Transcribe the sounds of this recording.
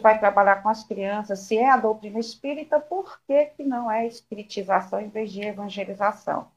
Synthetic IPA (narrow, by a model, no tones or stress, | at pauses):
vajt̪ɾabaʎakõɐskɾiɐ̃sɐsːɪɛad̪owt̪ɾĩnɐɪspiɾit̪ɐpoɾkekɪnɐ̃w̃ɛispiɾit͡ʃizasɐ̃w̃ẽvezd͡ʒɪevɐ̃ʒelizasɐ̰̃w̃